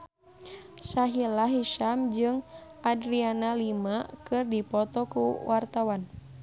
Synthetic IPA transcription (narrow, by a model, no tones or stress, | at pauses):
saɦilaɦiʃamd͡ʒɨŋʔadɾianalimakɨrdipɔt̪ɔkuwʔart̪awan